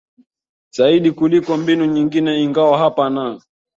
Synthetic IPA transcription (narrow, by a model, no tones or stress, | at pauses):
z̥aiɗikulikɔmbinuɲiŋɡinɛiŋɡawaɦapana